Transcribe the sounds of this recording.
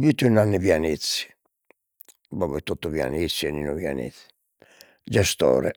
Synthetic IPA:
vit̪ːnanːivianit̪si̥ | bɔvɛt̪ːut̪ːuvia̰nit̪siɛnːinɔvja̰nḭθi̥ | d͡ʒɛst̪ɔ̰ːɾɛ̰

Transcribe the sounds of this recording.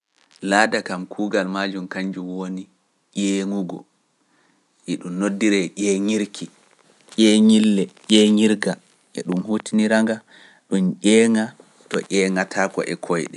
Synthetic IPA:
laːdakamkʰuːɡalmaːd͡ʒumkaɲd͡ʒumwoni | ʔɛːŋuɡɔ̰ | ʔɛɗumnodːiɾɛʔɛːŋiɾkʰi | ʔʲɛŋilːɛʔɛŋiɾɡa | ʔɛ̰ɗumhutiniɾaŋɡa | ɗumʔɛːŋa | tɔ̰ʔʲɛːŋatʰakɔ̰ʔɛkʰɔjɗɛ

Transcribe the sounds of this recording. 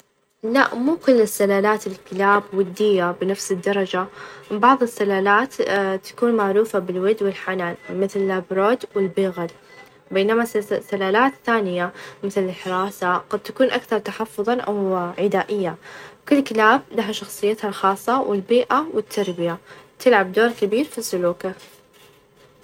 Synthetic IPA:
laʔmʊmkʊlːɪsːalaːlaːt̪ɪlkɪlaːbwɪd̪ːɪjːabɪnafsɪd̪ːɑɾˤɑd͡ʒabɑʕðˤɨsːalaːlaːt̪t̪ːḁkuːnmaʕɾuːfabɪlwɪd̪wɪlħanaːlmɪθlɪlʔabɾoːd̪wɪlbiːɣad̪ | beːnamasːalaːlaːt̪θaːnɪjamɪθlɪlħɪɾˤɑːsaɡɑd̪̚t̪akuːnʔakθɑɾˤt̪aħɑfːʊðˤɑʔa̰wʕɪd̪aːʔɪjːawkʊlːkɪlaːb̚laɦaʃɑxsˤɨjːat̪halxɑːsˤːɑwɪlbiːʔawɪt̪ʰːɑɾˤbɪjat̪ɪlʕabd̪oːɾˤkɪbiːɾfisːʊluːka

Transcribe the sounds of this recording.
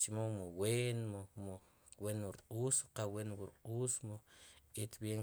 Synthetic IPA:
t͡ʃimomoweːnmomo | wenwuɾqʼuːsqawenwuɾqʼuːsmoit̪bjeŋ

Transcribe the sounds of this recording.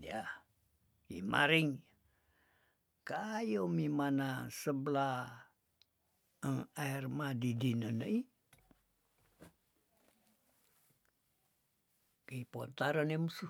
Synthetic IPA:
ja | ḭma̰ɾiŋ | kajomimanasəbəla | əŋairmadidinənəi | kipont̪aɾənemsu

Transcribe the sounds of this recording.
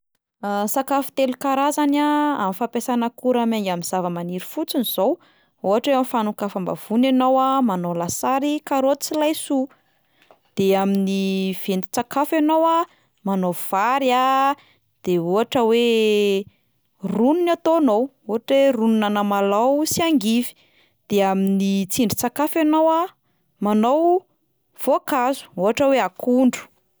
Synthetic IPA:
asakafu̥t̪elukaɾazanaa̰mifapesanəkuɾamaŋɡaminz̥avəmaniɾi̥fut͡siniz̥ow | uɦaʈ͡ʂeamifanukafamba̰v̥unanowamanolasaɾikaɾot͡silajsu | d̪̥eaminiv̥ent̪i̥t͡sakafanowa | manov̥aɾja | d̪̥eɦoɦaʈ͡ʂəwe | rununat̪onow | uɦaʈ͡ʂerununanəmalawsiaŋɡivi̥ | d̪̥eaminit͡siɳɖ͡ʐit͡sakafanowa | manow | v̥oakazu̥oɦaʈ͡ʂəweakʰuɳɖ͡ʐu̥

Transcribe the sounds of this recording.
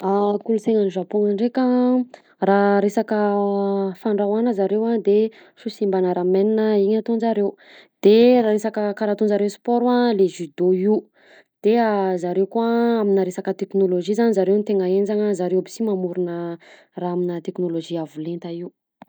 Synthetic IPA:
akuluseŋaniʒapoŋəɳɖ͡ʐekʲa | raɾesakə | faɳɖ͡ʐawanəzaɾewad̪e | ʃusimbanəɾameninəiɲat̪onzaɾew | d̪̥eraɾesakəkaɾat̪unzaɾewspɔɾwaleʒyd̪oi | d̪̥eazaɾewkuaaminəɾesakət̪eknoloʒizanizaɾewnit̪eŋaend͡ʒaŋəzaɾewabisimamuɾunə | raːaminət̪eknoloʒiavulent̪aiw

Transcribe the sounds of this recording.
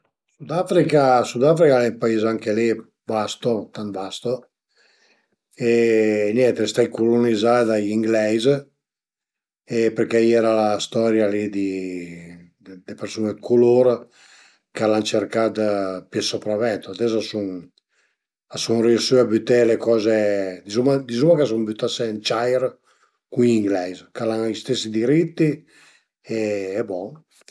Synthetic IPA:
sud̪afɾikasud̪afɾikalɛimpaizaŋkeli | bast̪ot̪anvast̪o | enjɛnt̪est̪ajkulunizad̪ajiŋɡlɛjz | epeɾkɛjɛɾalast̪ɔɾjalid̪i | d̪epeɾsunekʰuloɾ | kalant͡ʃerkad̪pɛsɔpɾavɛnt̪oad̪ɛs̬asuŋ | asuŋreusyabyt̪elekɔːzed̪izumad̪izumakas̬uŋbyt̪asent͡ʃajɾ | kuniŋɡlɛzkalaŋist̪esid̪iɾit̪ːi | eɛbɔŋ

